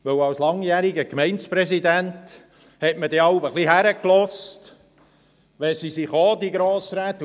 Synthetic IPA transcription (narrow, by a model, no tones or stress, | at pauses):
ʋɵwɑwslɑŋjæːɾiɡəkmɛɪnspɾɛsid̪ænt | hɛtmədɛɑwbəχliɦæɾəklɔst̪ | ʋɛsisiχod̪iɡɾoːsɾæːt̪ː